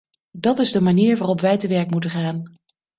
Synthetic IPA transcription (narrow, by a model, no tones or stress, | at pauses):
dɑtɪzdəmaniːɹʋaːrɔpʋɛjtəʋɛɹkmutəχaːn